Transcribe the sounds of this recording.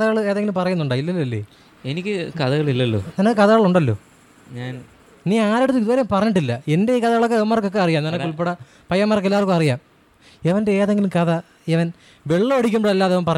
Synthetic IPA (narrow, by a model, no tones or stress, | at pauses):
ɐðɐɣɐɭɨeːðeŋɡilumpɐrɐjunːuɳɖaːilːɐlːɐlːḛː | enikʲːɨkɐðɐɣɐɭilːɐlːo̰ːɲaːnːkɐðɐɣɐɭuɳɖɐlːo̞̰ː | ɲaːn | niːaːɾeɽut̪ːuiðuʋɐːɾeumpɐrɐɲːiʈ̬ːilːɐe̞nde̞iːkɐðɐɣɐɭokːeʋmːaːrkːokːeɐrijaːmnanɐkɨuɭp̬ːeɽɐ | pɐjːɐmːaːrkːelːaːrkːɨɐrijaːm | eʋɐndeeːðeŋɡilumkɐðɐ | eʋɐn | ʋe̞ɭːɐɐɽik̬ʲːumbɐɽɐlːaːðeʋɐnpɐrɐ